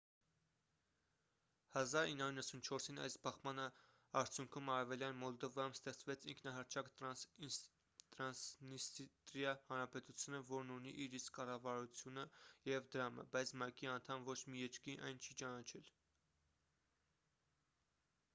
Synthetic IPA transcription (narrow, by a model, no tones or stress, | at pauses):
hɑzɑɾinːɑuinːəsunt͡ʃʰɔɾsinɑ̰jsbɑχmɑnə | ɑɾt͡sʰjuŋkʰumɑɾɛvɛljɑnmɔld̪ɔvɑjumst̪ɛχt͡svɛt͡sʰiŋkʰnɑɦɑɾt͡ʃʰɑk | t̪ɾɑnsnist̪it̪ɾjɑhɑnɾɑpɛt̪ut͡sʰjunəvɔɾnuniʔiɾiskkːɑrɑvɑɾut͡sʰjunəjɛvd̪əɾɑmə̰bɑjt͡sʰmɑkiɑnt̪ʰɑmvɔt͡ʃʰmijɛt͡ʃkiʔɑ̰jnt͡ʃʰit͡ʃɑnɑt͡ʃʰɛl